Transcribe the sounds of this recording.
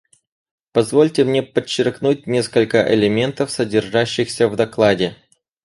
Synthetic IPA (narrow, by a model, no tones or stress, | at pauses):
pɐzvolʲtʲɪmnʲe̞pət͡ɕːɪrknut̚ʲnʲe̞skəlʲkəʔɪ̰lʲɪmʲe̞nt̪əfsədʲɪrʐaɕːɪxsʲəvd̪ɐklˠadʲɪ